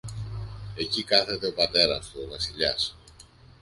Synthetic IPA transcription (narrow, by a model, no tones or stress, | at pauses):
e̞cikɐθe̞t̪e̞o̞pɐt̪e̞ɾɐst̪ovɐsiʎɐ̰s